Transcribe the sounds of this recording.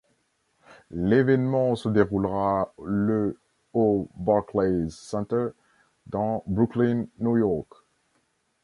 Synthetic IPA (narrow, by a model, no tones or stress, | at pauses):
levɛnmɑ̃səd̪eʁulʁalə | obaklezsɛ̃t̪əʁ | d̪ɑ̃bʁuklinːujɔʁk